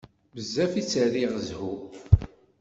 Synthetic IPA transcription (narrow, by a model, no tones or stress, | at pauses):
bəzːæfit͡sːəɾiʁəzhu